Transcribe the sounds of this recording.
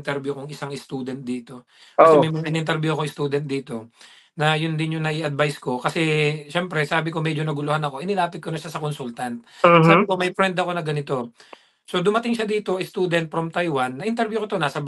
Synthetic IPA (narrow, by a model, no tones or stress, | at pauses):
nt̪ɛɾbjukoŋɪsaŋɪst̪uːd̪ɛnt̪̚d̪iːt̪o̞ | kɐsɛmɐjmɐŋaʔɪnɪnt̪ɛɾbjuɐkoɪst̪uːd̪ɛnt̪̚d̪iːt̪o̞ | nɐjʊnd̪ɪnjʊŋnɐʔɪʔɐd̪̚bajsko̞kɐsɛʃɛmpɾɛsaːbɪkomɛd͡ʒonɐɡʊlʊhanɐko̞ʔɪnɪlaːpɪt̪̚konɐʃasɐkonsult̪ant̪̚ːsabɪkomɐjfɾɛnd̪ɐko̞nɐɡɐnɪt̪o̞ | so̞d̪ʊmɐt̪ɪŋʃad̪iːt̪o̞ʔɪst̪uːd̪ɛnt̪̚fɾomt̪ajwanːɐʔɪnt̪ɛɾbjukot̪o̞naːsɐb